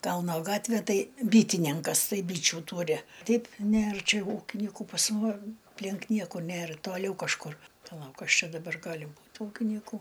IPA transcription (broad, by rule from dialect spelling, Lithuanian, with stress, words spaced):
ˈkɐlˠnoː ˈɡɑːtʲʋʲeː ˈtɐɪ ˈbʲiːtʲɪnʲɪŋkɐs ˈtɐɪ ˈbʲiːt͡ʃʲʊ ˈtuːrʲɪ ˈtʲɛɪp ˈnʲeːr ˈt͡ʃʲɛ ˈuːkʲɪnʲiːkʊ pɐs muɔm ɐpʲˈlʲɪŋk ˈnʲiɛkʊ ˈnʲeːr toːˈlʲɛʊ kɐʃˈkʊr pɐˈlˠɐʊk ˈkɐs ˈt͡ʃʲɛ dɐˈbɐr ˈɡɑːlʲɪ ˈbuːt ˈuːkʲiːnʲiːkʊ